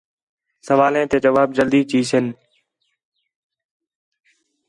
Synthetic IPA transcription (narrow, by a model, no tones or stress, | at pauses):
səʋaːlẽːt̪eːd͡ʒəʋaːbd͡ʒəld̪iːt͡ʃiːsɪn